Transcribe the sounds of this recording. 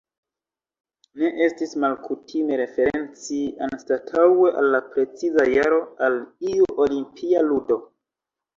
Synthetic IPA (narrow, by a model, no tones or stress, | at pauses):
ne̞ʔe̞stismalkutʰime̞ɾe̞fe̞ɾe̞nt͡sianstatʰawe̞ʔa̰lːapɾe̞t͡sizajaɾo̞aliuʔolimpʰialudo̞